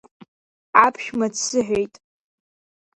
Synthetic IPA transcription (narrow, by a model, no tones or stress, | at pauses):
apʰʃᶣmat͡sʰɨħᶣejtʼ